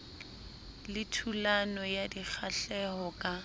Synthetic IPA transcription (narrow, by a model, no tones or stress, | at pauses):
lɪtʰulanɔjadik͡xʰaɬɛɦɔkʼa